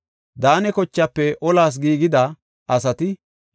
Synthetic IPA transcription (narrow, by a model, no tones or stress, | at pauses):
d̪aːnɛkɔt͡ʃːɐpːɛʔɔlaːs̬ɡiːɡɪd̪ɐ | ɐsɐt̪ɪ